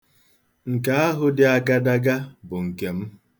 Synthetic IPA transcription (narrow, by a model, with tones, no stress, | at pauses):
ŋ̩˨ka˦a˦ɦʊ˦dɪ˦a˨ɡa˦da˦ɡa˦bʊ˨ŋ̩˨ke˨m̩˦